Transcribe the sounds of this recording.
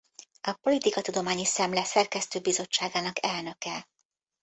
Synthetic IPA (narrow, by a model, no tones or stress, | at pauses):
ɒpo̞lit̪ikɒt̪ud̪o̞maːɲisɛmlɛsɛrkɛst̪øːbizo̞t͡ʃːaːɡaːnɒkɛlnø̞kɛ